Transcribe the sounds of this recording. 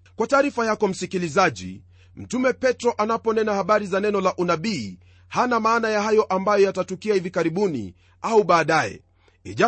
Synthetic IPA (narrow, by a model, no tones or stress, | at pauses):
kwataːɾifajakɔm̩sikilizaʄḭ | m̩tumɛpɛtɾɔʔanapɔnɛnahaɓaɾizanɛnɔlaʔunaɓiː | hanamaːnajahajɔʔambajɔjatatukiahivikaɾiɓunḭ | auɓaːɗajɛ̰ | ɛ̰ʄa